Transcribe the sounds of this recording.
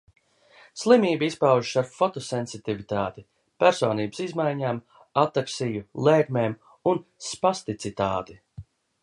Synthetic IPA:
slˠimiːbispawʒiʃaɾfɔt̪ɔsɛnsit̪ivit̪aːt̪i | pæɾsɔːniːbə̥sizmajɲaːm | at̪ːaksijulˠeːɡmeːm | unspast̪it̪sit̪aːt̪i

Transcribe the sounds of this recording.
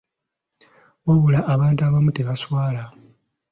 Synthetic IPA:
woβulaʔːβaːntuaβamuteβaswaːla

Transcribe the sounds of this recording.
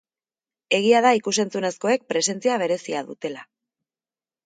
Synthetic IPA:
e̞ɣ̞iaðaikus̬e̞nt͡sune̞sko̞e̞k̚pɾe̞se̞nt͡siaβ̞e̞ɾe̞siaðut̪e̞la

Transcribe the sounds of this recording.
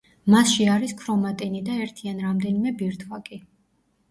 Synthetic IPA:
masʃiaɾiskʰɾɔmat̪ʼinid̪aɛɾt̪ʰianɾamd̪ɛnimɛbiɾt̪ʰwakʼi

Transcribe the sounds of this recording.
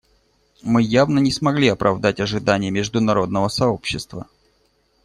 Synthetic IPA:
mɨjavnənʲɪsmɐɡlʲiɐpɾʔɐvd̪atʲɐʐɨd̪anʲɪjəmʲɪʐd̪ʊnɐɾo̞d̪nəvəsɐo̞pɕːɪst̪və

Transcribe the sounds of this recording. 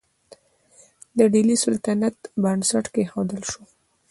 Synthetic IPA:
d̪əɖilisʊlt̪anat̪bansaʈkexawd̪əlʃo

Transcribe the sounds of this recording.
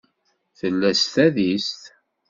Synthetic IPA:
θəlːæst̪æðist̪

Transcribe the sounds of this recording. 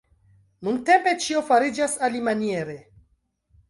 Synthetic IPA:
nunte̞mpe̞t͡ʃiofaɾid͡ʒasalimanieɾe

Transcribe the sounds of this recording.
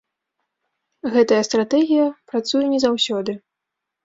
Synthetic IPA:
ɣɛt̪ɐjɐst̪ɾat̪ɛɣʲijɐpɾat̪sujɛnʲɛzawsʲɔd̪ɨ

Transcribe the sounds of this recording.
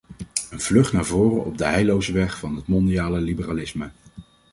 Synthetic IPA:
ənv̥lɵχtnaːɹvʊːrənɔb̚dəɦɛjlowzəʋɛχfɑnɦətmɔndijaːləlibəralɪsmə

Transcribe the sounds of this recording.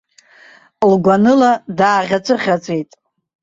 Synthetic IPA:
lɡʷanɨladaːʁʲat͡sʷʼɨχʲat͡sʷʼe̞jtʼ

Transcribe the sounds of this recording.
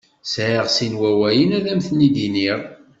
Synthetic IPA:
sʕəʁsinwæwæjənæðæmθnid̪iniʁ

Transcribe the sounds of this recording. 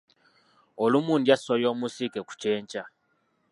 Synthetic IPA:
olumuːndjasojo̞ːmusikeku̥ceːɲca

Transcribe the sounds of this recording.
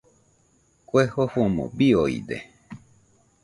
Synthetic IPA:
kʷehohomo̰bioḭd̪ḛ

